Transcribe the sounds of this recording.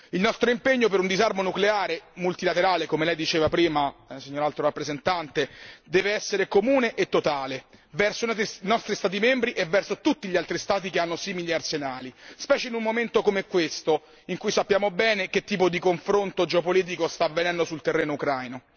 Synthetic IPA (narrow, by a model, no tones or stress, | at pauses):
ilnɔst̪ɾoimpeɲːopeɾund̪izarmonukleaːɾemult̪ilat̪eɾaːlekomelɛjd̪it͡ʃeːvapɾiːmasiɲːoɾalt̪ɾoɾapːɾezent̪ant̪ed̪ɛːveɛsːeɾekomuːneʔet̪ːot̪aːlevɛrsonɔst̪ɾist̪aːt̪̬imembɾiʔevːɛrsot̪ut̪ːiʎialt̪ɾist̪aːt̪̬ikeanːosiːmiliearsenaːlispɛːt͡ʃeinumːoment̪okomɛkːwest̪o | iŋkujsapːjaːmobɛːnek̟et̪ːiːpod̪ikoɱfɾont̪od͡ʒeopoliːt̪̬ikost̪avːenɛnd̪osult̪erːeːnoukɾajno